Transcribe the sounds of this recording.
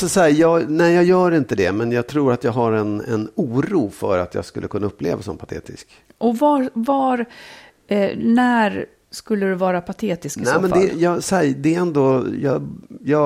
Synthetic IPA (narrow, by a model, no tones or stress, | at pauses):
sɔsæːjɑːɡnɛɪjɑːɡjœːɾɪnt̪əd̪ɛmɛnjɑːɡ̚t̪ʰɾuːɾat̪jɑːɡɦaɾɛnɛ̰nuːɾuːfœ̰ɾat̪jɑ̰ːɡskɵlːəkʰɵnːaɵpːlḛːvasɔmpʰat̪ʰḛːt̪ɪsk | ʔɔvavaɾ | næɾ | skɵlːəd̪ɵvɑːɾapʰat̪ʰeːt̪ɪsknɛmɛnd̪ɛjɑːsɛd̪ɛɛɛnd̪ojɑjɑː